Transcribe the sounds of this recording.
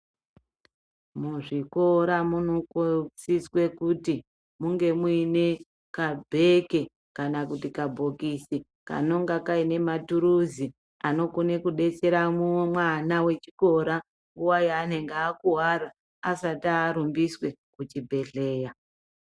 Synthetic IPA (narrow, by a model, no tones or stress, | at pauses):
muʐiko̞ɾamunokut͡siswe̞kuti | muŋɡe̞mwuine̞ | kabʱe̞ke̞ | kanakutikabʱo̞kisi | ka̰no̞ŋɡakaine̞matuɾuzi | ano̞kune̞kuɗe̞t͡se̞ɾamumwanawe̞t͡ʃiko̞ɾa | ŋɡuwajiane̞ŋɡeːkuɦaraː | sataːɾumbiswe̞kut͡ʃibʱe̞ɬe̞ːja